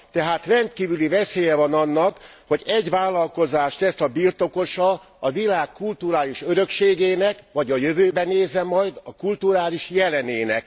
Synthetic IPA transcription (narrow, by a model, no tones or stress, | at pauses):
t̪ɛɦaːt̪rɛnt̪kiːvylivɛseːjɛvɒnɒnːɒkho̞ɟɛɟʋaːlːɒlko̞zaːʃlɛsɒbirt̪o̞ko̞ʃɒ | ɒvilaːkːult̪uɾaːliʃøɾø̞kʃeːɡeːnɛkʋɒɟɒjø̞vøːbɛneːzːɛmɒjd̪ɒkult̪uɾaːliʃjɛlɛneːnɛ̰k